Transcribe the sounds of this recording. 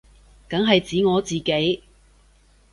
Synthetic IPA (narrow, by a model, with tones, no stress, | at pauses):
kɐ˨˥ŋɦɐ˨jt͡siː˨˥ŋɔː˨˧t͡siː˨ke˨˥j